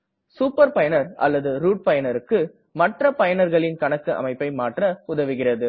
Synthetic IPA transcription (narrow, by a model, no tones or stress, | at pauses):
suːpːɐɾpɐjɐnɐɾʔɐ̰lːɐðɯɾuːʈ̚pɐjɐnɐɾɯkːɯ | mɐʈrɐpɐjɐnɐɾɣɐɭɪnkɐɳɐkːɯʔɐ̰mɐɪpːɐɪmaːʈrɐʊðɐʋɪɣɪrɐðɯ